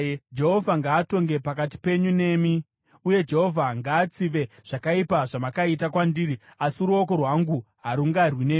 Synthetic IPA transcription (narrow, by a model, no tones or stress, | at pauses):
d͡ʒe̞ɦo̞vʱaŋɡaːto̞ŋɡepakati̥pe̞ɲune̞mi | uje̞d͡ʒe̞ɦo̞vʱaŋɡaːt͡siʋe̞ʐ̥akaipaʐamakaitakwandiːriasiɾuoko̞rwaŋɡuɦaɾuŋɡarwinemi